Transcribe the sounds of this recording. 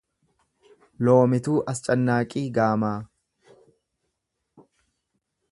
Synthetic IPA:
loːmɪt̪uːʔɐst͡ʃʼɐnːaːkʼiːɡaːmaː

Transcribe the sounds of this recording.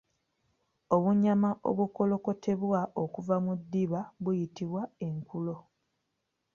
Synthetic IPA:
o̞βuɲamaʔo̞̰βuko̞lo̞ko̞tʰe̞βwaʔo̞kuvamudːiβaβujitiβwae̞ŋkulo̞

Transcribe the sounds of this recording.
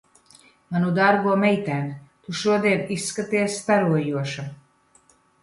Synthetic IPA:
manud̪aɾɡuɔmɛjt̪æːnt̪uʃuɔd̪iɛnisːkat̪iɛst̪aɾuɔjuɔʃa

